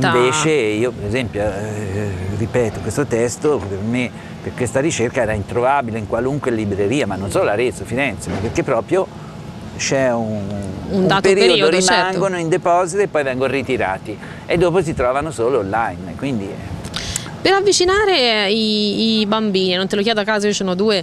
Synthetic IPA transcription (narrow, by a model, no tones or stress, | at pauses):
iɱveːt͡ʃeiːopeɾezɛmpjo | ripɛːt̪okwest̪ot̪ɛst̪operme | pekwest̪aɾit͡ʃerkaɛːɾaint̪ɾovabileiŋkwaluŋkwelibɾeɾiːamanːonsoːloaɾet̪sofiɾɛnt̪semapːerkepːɾɔːpɾjo | t͡ʃɛunummaːtpeɾːoid̪oɾimt͡ʃaŋɡonoind̪epɔːzit̪oepːɔjvɛŋɡonrit̪iɾa̰ːt̪i | ed̪ːoːpos̬it̪ɾɔːvanosoːloːlːajnkwind̪iɛ | peɾavːit͡ʃinaːɾeiːbambiːninont̪elok̬jɛːd̪oakːaːzoiosoːnod̪uːe